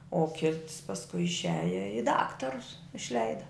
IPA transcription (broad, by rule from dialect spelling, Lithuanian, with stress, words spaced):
oː ˈkʲɪts pɐsˈkʊɪ ɪʃʲˈæːjɛ ɪ ˈdɑːktɐrʊs ɪʃʲˈlʲɛɪdɐ